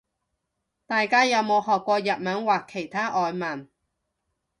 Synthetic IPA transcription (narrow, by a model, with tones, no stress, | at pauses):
t̪aː˨jkaː˥jɐ˨˧wmo˨˧whɔː˨kːʷɔː˧jɐ˨t̚mɐ˨˥nwaː˨˩kʰːe˨˩jt̪ʰaː˥ʔɔː˨˧jmɐ˨˩n